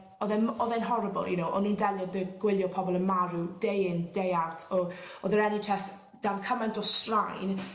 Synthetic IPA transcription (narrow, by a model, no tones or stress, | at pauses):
ɔðɛnɔðɛnɦɔɾəbɔ̰lˠjunowʔɔ̰nũːndɛlˠjɔðəɡ̥wɪlˠjɔpʰɔbɔlˠənmaɾud̥ejɪndejartʰɔɔðəɾɛnitʰɛθ | d̥amkʰəmantʰɔstrajn